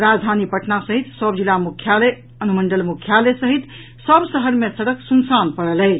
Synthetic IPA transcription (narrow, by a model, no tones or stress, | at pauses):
ɾad͡ʒd̪ʱanipəʈnasəɦit̪səbd͡ʒilamukʰjale | ənuməɳɖəlmukʰjalesəɦit̪ | səbsəɦəɾmesəɽəksunsanpəɽələ